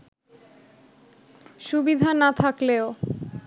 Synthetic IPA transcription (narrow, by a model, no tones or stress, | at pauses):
ʃubid̪ʱanat̪ʰakleo